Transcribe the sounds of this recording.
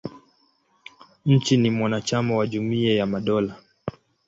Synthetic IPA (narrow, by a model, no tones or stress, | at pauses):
ɲ̩t͡ʃinimwanat͡ʃamawaʄumiajamaɗɔla